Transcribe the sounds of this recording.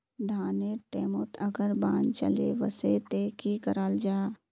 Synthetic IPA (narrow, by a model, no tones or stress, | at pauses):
d̪ʱaːneʈeːmot̪ɐɡəɾbãːnt͡ʃɐ̰lḛʋəset̪eːkikəɾaːld͡ʒaː